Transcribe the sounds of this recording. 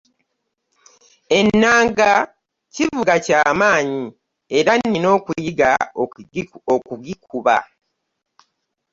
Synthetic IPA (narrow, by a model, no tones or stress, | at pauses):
e̞nːaːŋɡa | civuɡacaːmaːɲi | e̞ɾanːino̞ːkujiɡa | okuɡikuβa̰